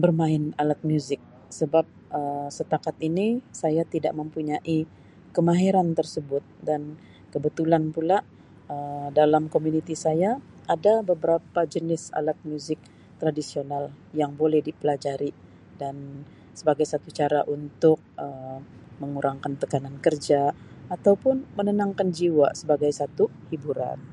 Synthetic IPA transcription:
bərmaɪnalat̪̚mjuzɪk̚ | səbap̚əsət̪akat̪̚inisajat̪ida̰ʔməmpuɲaʔi | kəmaɦiɾant̪ərsəbʊt̪̚dan | kəbət̪ulanpula | ədalamkomunit̪isaja | ʔadabəbəɾapad͡ʒənɪsa̰lat̪̚muzɪk̚ | t̪ɾadisional | jaŋbolɛhdipəlad͡ʒaɾi | dan | səbaɡajsat̪ut͡ʃaɾaʔunt̪ʊk̚əməŋuɾʔaŋkant̪əkanankərd͡ʒaat̪awpʊnmənənaŋkand͡ʒiwasəbaɡajsat̪uhibuɾa̰n

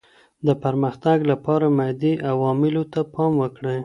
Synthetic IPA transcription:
d̪əpaɾməxt̪aɡlapɑɾamad̪iʔawɑmɪlot̪apʰɑmwəkɽe

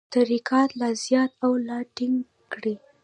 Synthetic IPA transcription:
t̪aɾikɑt̪lazjɑt̪awlaʈɪŋɡ | kɽi

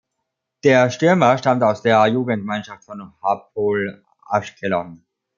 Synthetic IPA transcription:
d̥eːɐʃtʏɐmɐʃtamtaʊsd̥eːɐjuːɡn̩tmanʃaftfɔnhap̚ʰoːl | ʔa̰ʃkʰɛlɔn

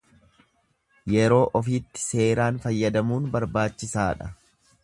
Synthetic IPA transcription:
jɛɾo̞ːʔɔfiːt̪ːɪ̥se̞ːɾaːnfɐjːɐd̪ɐmuːnbɐɾbaːt͡ʃːɪsaːᶑɐ

